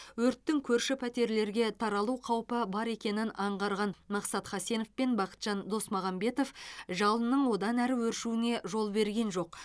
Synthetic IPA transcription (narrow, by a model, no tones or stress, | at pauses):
wɵɾt̪ːɪŋkʲʰɵɾʃɪpʰæt̪e̞ɾle̞ɾɡʲe̞t̪ʰɑɾɑlˠuqʰɑwpəbɑɾe̞kʲe̞nɪnɑɴʁɑɾʁɑnmɑqsɑt̪χɑsenofpe̞nbɑqə̥t̪ʒ̥ɑnd̪o̞smɑʁɑmbe̞t̪o̞fʒɑlˠənəɴwo̞d̪ɑnæɾɪwɵɾʃuɪne̞ʒo̞lˠbe̞ɾɡʲe̞nʒo̞q̚